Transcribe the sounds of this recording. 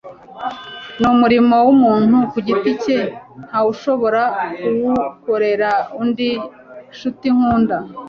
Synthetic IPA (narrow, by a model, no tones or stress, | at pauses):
numuɾimo̞wumuːn̥hukuɟiticen̥hauʃo̞βo̞ɾakuwukoɾe̞ɾaundi | ʃutiŋ̥huːnda